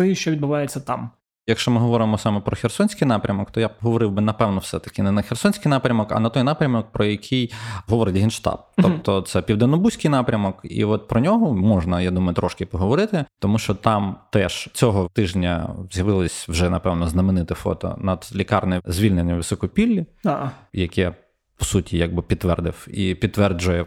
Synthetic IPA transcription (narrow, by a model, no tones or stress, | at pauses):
ɔjiʃt͡ʃɔʋʲid̪̚bʊʋɑjet͡sʲːɐt̪ɑm | jɐkʃt͡ʃɔmɪɦɔʋɔɾɪmɔsɑmɛpɾɔxʲersɔnʲsʲkɪjnɑpɾʲɐmɔkt̪ɔjapɦɔʋɔɾɪwbɪnɐpɛwnɔwsɛt̪ɐ̥kɪnɛnɐxʲersɔnʲsʲkɪjnɑpɾʲɐmɔkɐ̰nɐt̪ɔjnɑpɾʲɐmɔk̚pɾɔjɐkʰʲijɦɔʋɔɾɪtʲɦinʃt̪ɑ̰b̚t̪ɔp̚t̪ɔt̪sɛpʲiwd̪enɔbusʲkɪjnɑpɾʲɐmɔkḭɔt̪̚pɾɔnʲɔɦɔmɔʒnɐjad̪umɐjʊt̪ɾɔʃkɪpɔɦɔʋɔɾɪt̪ɪt̪ɔmuʃt͡ʃɔt̪ɑmt̪ɛʃt͡sʲɔɦɔt̪ɪʒnʲɐ̰zʲjɐʋɪlˠɪsʲwʒɛnɐpɛwnɔznɐmɪnɪt̪ɪfɔ̰t̪ɔ̰nɐd̪lʲikɑrnɛzʲʋʲilʲnenʲːɐʋɪsɔkɔpʲilʲːi | jɐkɛ | pɔ̥sutʲʰijɐɡ̚bɪpʲid̪ːʋɛrd̪ɪwipʲid̪t̪ːʋɛrd͡ʒʊjɛ